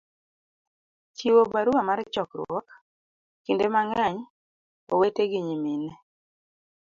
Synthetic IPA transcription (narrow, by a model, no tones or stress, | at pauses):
t͡ʃiwobaɾuamaɾt͡ʃɔkɾwɔk | kindemaŋaɲ | o̰weteɡiɲiminɛ